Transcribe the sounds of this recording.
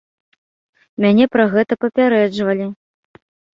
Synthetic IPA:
mʲanʲɛpɾaɣɛt̪ɐpɐpʲaɾɛd͡ʐvɐlʲi

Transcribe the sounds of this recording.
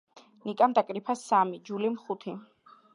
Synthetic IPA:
nikʼamd̪akʼɾipʰasamid͡ʒulimχut̪ʰi

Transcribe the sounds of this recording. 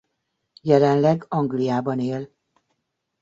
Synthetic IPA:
jɛlɛnlɛɡɒŋɡlijaːbɒneːl

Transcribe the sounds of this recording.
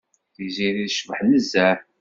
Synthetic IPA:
θiziɾiðʃəvəħnəzːæ

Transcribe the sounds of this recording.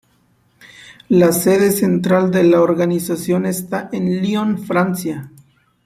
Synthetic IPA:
lase̞ðese̞nt̪ɾald̪elaoɾɡanisasjo̞nest̪aʔenlionfɾant͡sja

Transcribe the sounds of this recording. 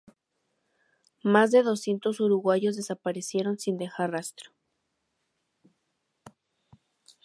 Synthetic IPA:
mazðe̞ðo̞sje̞nt̪o̞suɾuɣwaʝo̞zðe̞sapaɾe̞sje̞ɾo̞nsind̪e̞xaɾrast̪ɾo̥

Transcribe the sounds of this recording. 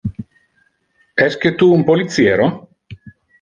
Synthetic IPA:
ɛsket̪uːmpolit̪sjeːɾo

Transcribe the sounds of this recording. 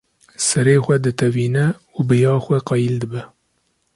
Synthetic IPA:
sɛɾeːxʷɛd̪ɨt̪ʰɛviːnɛ | ubɨjɑːxʷɛqɑjild̪ɨbɛ

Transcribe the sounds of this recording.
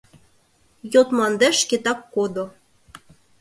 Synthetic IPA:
jot̪mɑnd̪æʃket̪ɑkːod̪o

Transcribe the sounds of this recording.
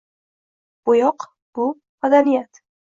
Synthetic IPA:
b̥ʊjɒq | b̥ʊ | mad̪anijat̪

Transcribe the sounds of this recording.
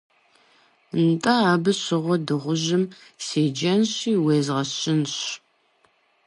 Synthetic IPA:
ntʼɐaːbɨɕɪʁʷɔdɨʁʷʊʑɪmseːd͡ʒɐnɕiːweːzʁɐɕɪnɕ

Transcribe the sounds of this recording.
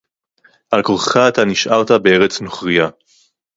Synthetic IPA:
ʔalkoʁχaːt̪aniʃʔaʁt̪abee̞ʁet͡snoχʁija

